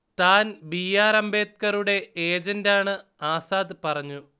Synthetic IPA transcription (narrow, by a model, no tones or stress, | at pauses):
t̪aːnbijaːɾɐmbe̞ːt̪̚kɐruɽe̞eːd͡ʑɐndaːɳɨaːsaːd̪ɨpɐrɐɲːu